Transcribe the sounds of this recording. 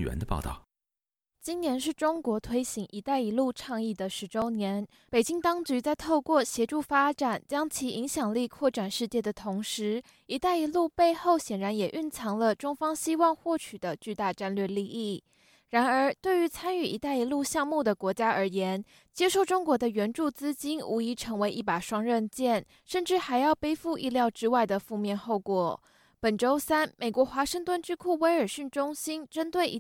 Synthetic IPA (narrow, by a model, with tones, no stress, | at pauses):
ɥɛ̰˧˥nd̪ə˧pɑ̰˥˧ʊɑ̰˥˩ʊ | t͡ɕi˥nnjɛ˧˥nʂɻ̩˥˩ʈ͡ʂʊ˥ŋkwɔ˧˥t̪ʰwe˥ɪɕi˧˥ŋʔi˧˥t̪a˥˩ɪi˧˥lu˥˧ʈ͡ʂʰɑ˥˧ŋi˥˩d̪ə˩ʂɻ̩˧˥ʈ͡ʂo˥ʊnjɛ˧˥n | pe˨˩t͡ɕi˥ŋt̪ɑ˥ŋt͡ɕy˧˥t͡sa˥˧ɪt̪ʰo˥˧ʊkwɔ˥˩ɕjɛ˧˥ʈ͡ʂu˥˩fa˥ʈ͡ʂa˨˩nt͡ɕjɑ˥ŋt͡ɕʰi˧˥i˧˥ŋɕjɑ˨˩ŋli˥˧kʰwɔ˥˩ʈ͡ʂa˨˩nʂɻ̩˥˧t͡ɕjɛ˥˩d̪ə˩t̪ʰʊ˧˥ŋʂɻ̩˧˥ | i˧˥t̪a˥˩ɪi˧˥lu˥˧pe˥˧ɪxo˥˩ʊɕjɛ˨˩nɻa˧˥njɛ˨˩ʔy˥˩nt͡sʰɑ˧˥ŋlə˧ʈ͡ʂʊ˥ŋfɑ˥ŋɕi˥wɑ˥˧ŋxwɔ˥˩t͡ɕʰy˨˩d̪ə˦t͡ɕy˥˧t̪a˥˧ʈ͡ʂa˥˧nlɥɛ˥˧li˥˧ʔi˥˩ | ɻa˧˥nə˞˧˥t̪we˥˩ɪy˧˥t͡sʰa˥ny˥˩ḭ˧˥t̪a˥˩ɪi˧˥lu˥˧ɕjɑ˥˧ŋmu˥˩d̪ə˩kwɔ˧˥t͡ɕja˥ʔə˞˧˥jɛ˧˥n | t͡ɕjɛ˥ʂo˥˩ʊʈ͡ʂʊ˥ŋkwɔ˧˥d̪ə˧ɥɛ˧˥nʈ͡ʂu˥˩t͡sɹ̩˥t͡ɕi˥nu˧˥i˧˥ʈ͡ʂʰɤ˧˥ŋwe˧˥ɪʔi˥˩pa˨˩ʂwɑ˥ŋɻə˥˧nt͡ɕjɛ˥˩n | ʂə˥˩nʈ͡ʂɻ̩˥˩xa˧˥ɪjɑ˥˧ʊpe˥ɪfu˥˧ʔḭ˥˧ljɑ˥˩ʊʈ͡ʂɻ̩˥wa˥˩ɪd̪ə˩fu˥˧mjɛ˥˧nxo˥˩ʊkwɔ˨˩ | pə˨˩nʈ͡ʂo˥ʊsa˥nmʔe˨˩ɪkwɔ˧˥xwa˧˥ʂə˥˧ŋt̪wə˥˩nʈ͡ʂɻ̩˥˧kʰu˥˩we˧˥ɪə˞˨˩ɕy˥˩nʈ͡ʂʊ˥ŋɕi˥nʈ͡ʂə˥nt̪we˥˩ɪi˧˥